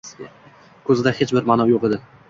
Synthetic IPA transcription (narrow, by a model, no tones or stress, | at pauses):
kʰɵzɪd̪ahet͡ʃbɪɾmanɒjoqed̪ɪ